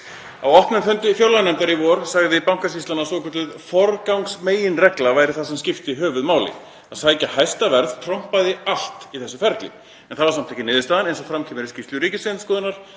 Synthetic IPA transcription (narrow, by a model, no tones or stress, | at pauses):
awɔht̪nʏnfʏnt̪ɪfjowlanɛmt̪aɾivɔɾ̥saɣðɪipawŋ̥kas̬isanasɔkʏt̪lʏðfɔɾkawŋksmeːjɪnrɛklavaːjɾɪθasɛmscɪft̪ɪiɦœːvʏðmaːwlɪ̰ | aðsaːjcahajst̪avɛɾðt̪ʰɾɔm̥paðɪal̥t̪iθɛsːʏfɛɾt̪lɪ̰ | ɛnθavaɾsamt̪ʰajcɪnɪːðɪst̪aːðanejnsɔfɾamkʰiːmɪɾɪscɪft̪lʏɾiːcɪsvɪnskɔːðɪnaɾ̥